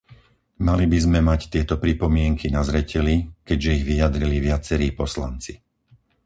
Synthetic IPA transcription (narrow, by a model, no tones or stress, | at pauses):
malibizmɛmact̪ɪɛt̪ɔpɾipɔmɪɛŋkinazɾɛcɛlikɛɟʒɛiɣʋijad̪ɾiliʋɪat͡sɛɾiːpɔsla̰nt͡si